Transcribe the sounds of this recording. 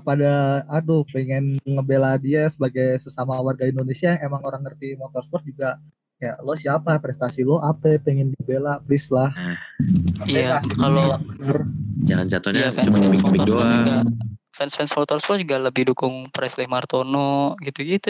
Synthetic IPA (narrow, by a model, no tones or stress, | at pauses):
əpadaːdupɛŋɪnŋəbeladiasəbaɡajsəsamawarɡaindonesiaemaŋoɾaŋːərt̪imot̪ɔrspɔt̪̚d͡ʒuɡaʔ | kaja̰ʔlosiapapɾɛst̪asiloapɛpɛŋɪndibelaplɪslah | aɛaasikalolaŋbənərd͡ʒaŋa̰nt͡ʃat̪ɔnjaɛt͡ʃumanabikbiduad͡ʒuɡa | fɛnsfɛnsmɔt̪ɔrspɔt̪̚d͡ʒuɡaləbɪhdukʊŋpɾɛslɛhmart̪onoɡit̪uɡit̪u